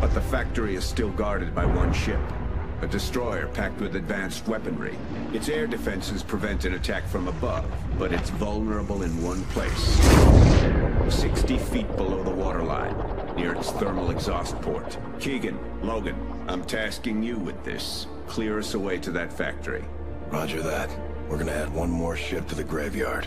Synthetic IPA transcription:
b̥ʌt̪̚ðɨfæk̚tə˞iɨz̥stɪlˠɡɑɹɾɨd̚baɪwʌ̃nʃɪp | ɨdɨstɹ̥ɔɪə̰˞pʰæk̚t̚wɨðɨdvæ̃nst̚wɛpɨ̃nɹḭ | ɨtsɛɹdɨfɛ̃nsɨz̥pʰɹ̥ɨvɛ̃ntɨ̃nɨtʰækfɹʌ̃məbʌ̰v | b̥ʌɾɨtsvʌlˠnə˞əbl̩ˠɨ̃nwʌ̃npʰl̥ḛɪs | sɪkstifit̚b̥əloʊðəwɔɾə˞lã̰ɪ̃nː | ɪɹɨtsθɜ˞ml̩ˠɨɡzɔst̚pʰɔ̰ɹt | kʰiɡɨ̃n | loʊɡɨ̃n | ʔãɪ̃mtʰæskɪ̃ŋjɨwɨðɪ̰s | kʰl̥ɪɹɨsəweɪɾɨðɨtfæ̰k̚tʰə̰˞ḭ | ɹɑd͡ʒə˞ðæt̚ | wɪɹɡʌnɨæd̚wʌ̃nmɔɹʃɪp̚tʰɨðɨɡɹeɪvjɑɹd̥

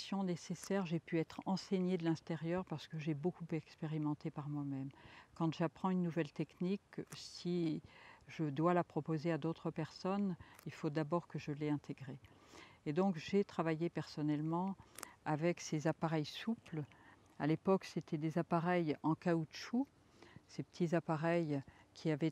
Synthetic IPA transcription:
sjɔ̃nesesɛʁʒepyɛt̪χɑ̃seɲed̪əlɛ̃t̪eʁjœʁpaʁsə̥kəʒebokupɛkspeʁimɑ̃t̪epaʁmwamɛmkɑ̃t̪ʒapχɑ̃ynːuvɛlt̪ɛkniksi | ʒəd̪walapχɔpozead̪ot̪χəpɛʁsɔnilfod̪abɔʁkəʒəlɛɛ̃t̪ʰeɡʁe | ed̪ɔ̃kʒet̪χavajepɛʁsɔnɛlmɑ̃avɛksezapaʁɛjsupl | a̰lepɔkset̪ʰɛd̪ezapaʁɛjɑ̃kauʃu | sepə̥t̪ʰizapaʁɛjkʲʰiavɛ

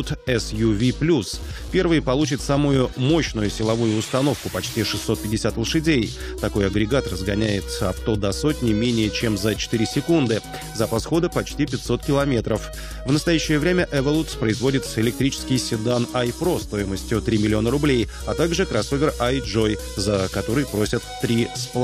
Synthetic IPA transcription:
t̪ɛsjuvʲiplʲus | pʲe̞rvɨjpɐlˠut͡ɕɪt̪samʊjʊmo̞ɕnʊjʊsʲɪlˠɐvujʊʊst̪ɐno̞fkʊpɐt͡ɕtʲiʂɨsːo̞t̪̚pʲɪdʲːɪsʲat̪lˠʂɨdʲej | t̪ɐko̞jɐɡɾʲɪɡat̪rəzɡɐnʲæjɪt̪ɐ̰pt̪o̞d̪ɐso̞tʲnʲɪmʲenʲɪjət͡ɕe̞mzət͡ɕɪ̥t̪iɾʲɪsʲɪkund̪ɨ | zəpɐsxo̞d̪əpɐt͡ɕtʲipʲɪt̪ʲso̞t̪kʲɪlˠɐmʲe̞t̪ɾəf | vnəst̪ɐjæɕːɪjəvɾʲemʲəʔɛvɐlˠut̪spɾəɪzvo̞dʲɪt̪sɪlʲɪk̚t̪ɾʲit͡ɕɪ̥skʲɪjsʲɪd̪anɐjpɾo̞st̪o̞jɪməsʲtʲjʊt̪ɾʲimʲɪlʲɪo̞nəɾʊblʲej | ɐt̪aɡʐɨkɾɐso̞vʲɪrajʐo̞j | zəkɐt̪o̞ɾɨjpɾo̞sʲət̪ːɾʲisp̪ˠ

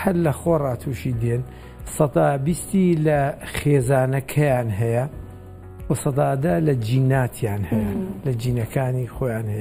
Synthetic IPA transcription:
hɐlːɐxoːrˤɑːt̪ʰuːʃiːd̪en | sɑt̪ɑːbist̪ilɐxeːzaːnɐkʰɐjaːnɦɐjɐ | wɐsɑt̪ɑːd̪ɐlɐd͡ʒiːnaːt̪ʰjaːnhɐjɐlɐd͡ʒiːnɐkʰaːnixoːjaːnhɐjɐ

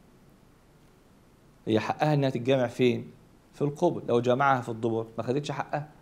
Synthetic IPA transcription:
hɪjːæħaʔːæhæʔenːæhæt̪et̪̚ɡæːmeʕfeːn | filqoblːʔæwd͡ʒæːmaʕhæfid̪ˤːoboɾˤmæxæd̪et̪ʃaħaʔʔæhæ

